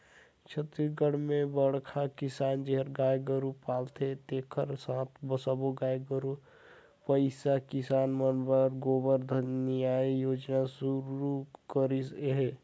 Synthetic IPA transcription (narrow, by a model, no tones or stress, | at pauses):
t͡ʃʰət̪ɾiɡəɽ̤mẽbəɽkʰakɪsaːnd͡ʒeɦəɾɡaːjɡəɾupaːlt̪ʰet̪eːkʰəɾsãːt̪ʰbəsəboɡaːjɡəɾu | pəɪsakɪsaːnmənbəɾɡoːbəɾd̪ʱənjaːijoːd͡ʒnasuɾukəɾisɦe